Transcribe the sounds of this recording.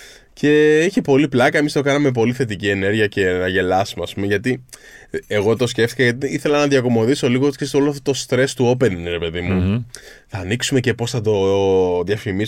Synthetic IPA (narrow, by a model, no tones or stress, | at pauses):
ce̞içipo̞liplɐkɐemist̪o̞kɐnɐme̞p̬o̞liθe̞t̪icie̞ne̞ɾʝiɐce̞nɐʝe̞lɐsmeɐspumeʝɐt̪i | eɣo̞t̪o̞sce̞ft̪i̥kɐʝɐt̪̬iiθe̞lɐnɐðiɐko̞mo̞ðiso̞liɣoot̪i̥ksesoloft̪ot̪ost̪ɾe̞st̪uo̞p̬e̞nɾe̞pe̞ðimuθɐːniksume̞cepo̞sθɐt̪o̞ðjɐfimi